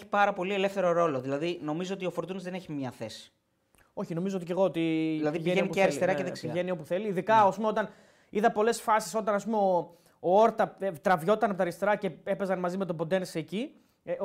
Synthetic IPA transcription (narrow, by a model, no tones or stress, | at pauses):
çi̥pɐɾɐpo̞lie̞le̞fθe̞ɾo̞ɾo̞loðilɐðino̞mizoot̪io̞fo̞ɾt̪unɐzðeneçimɲɐθe̞si̥ | o̞çino̞mizoot̪ice̞ɣo̞ot̪iilɐðiʝieniceɐɾist̪eɾɐceðeksiʝenio̞puθe̞liːðikɐɐspumeo̞t̪ɐn | iðɐpo̞le̞sfɐsi̥so̞t̪ɐnɐs̬pumeo | oo̞ɾt̪ɐet̪ɾɐvʝo̞t̪ɐnɐpot̪ɐɾist̪e̞ɾɐce̞e̞pe̞zɐnmɐzime̞t̪̬obod̪e̞nseci